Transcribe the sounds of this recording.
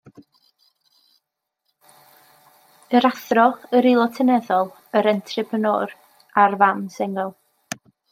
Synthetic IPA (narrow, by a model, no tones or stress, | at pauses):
əɾaθrɔəɾilˠɔtʰənɛðɔlˠ | əɾɛntʰrɪpʰənɔ̰ːɾ | arvamsɛŋɛlˠ